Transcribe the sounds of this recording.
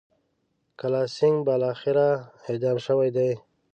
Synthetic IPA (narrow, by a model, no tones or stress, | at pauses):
kalɑsɪŋɡbalɑxɪɾaed̪ɑmʃəwajd̪aj